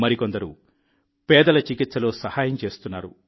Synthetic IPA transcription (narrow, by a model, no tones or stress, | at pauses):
mɐɾikond̪ɐɾṵ | pɛːd̪ɐlɐt͡ʃikit̪sɐlo̞ːsɐhaːjɐmt͡ʃe̞ːst̪unːaːɾṵ